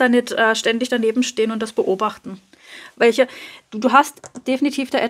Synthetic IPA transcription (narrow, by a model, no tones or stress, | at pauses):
d̥anɪtʔɛːʃtɛndɪçd̥aneːbm̩ʃteːənʊntd̥asb̥əʔoːbaχtn̩ | vɛlçəd̥uduːɦastd̥efinitʰiːfd̥eːʔɛ